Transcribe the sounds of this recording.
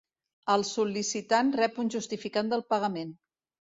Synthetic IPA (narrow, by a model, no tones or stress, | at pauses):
əlˠsulisit̪anrɛpunʲʒust̪ifikand̪əlˠpəɣəmen